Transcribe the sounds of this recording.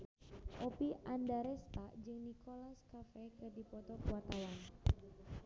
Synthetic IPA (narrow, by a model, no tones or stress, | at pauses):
ʔopiʔandaɾɛst̪ad͡ʒɨŋnikolaskafɛkɨrdipɔt̪ɔkuwat̪awan